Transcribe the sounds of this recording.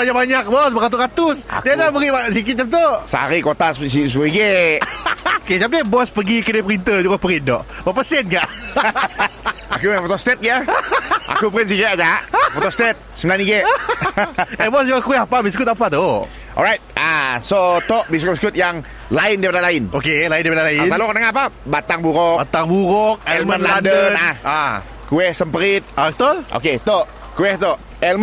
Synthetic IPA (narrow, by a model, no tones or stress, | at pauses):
baɲaʔbaɲak̚bɔsbəɣat̪̬uɾat̪ʊsa̰diənabəɾibasik̬ɪt̪̚t͡ʃap̚t̪osaa̰ɾikot̪assisbuiɡe | oket͡ʃap̚debɔspəɡikədepəɾint̪əd͡ʒuɡapəɾɪndɔ̰ʔbapəsɛnkaʔ | akufot̪ɔst̪ɛt̪̚ɡaʔa̰kupəɾɪns̬iket̪ad͡ʒaʔfot̪ɔst̪ɛt̪̚səmənaniɡeʔ | ɛbɔsɔlkuɛɦapabiskʊt̪̬apat̪o | ʔɔ̰lɾajt̪̚ʔasot̪ɔʔbiskʊt̚biskʊt̪̚jaŋ | laɪndipadalaɪnokelaindipadalaisalokɔnaŋaapabat̪aŋbuɾɔat̪aŋbuɾɔk̚ɛɛlmə̃nlandəənaa | kuɛhsəmpəɾɪt̪̚at̪oʔo̰ket̪oʔ | kuɛht̪ɔʔ | ɛlm